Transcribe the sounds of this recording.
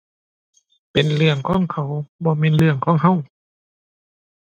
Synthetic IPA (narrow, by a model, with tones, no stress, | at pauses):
pe˨nlɯ˧əŋkʰɔː˧˥˨ŋkʰa˧˩wbɔː˧˦meː˧˥˨nlɯ˧əŋkʰɔː˧˥˨ŋɦa˧˥˨w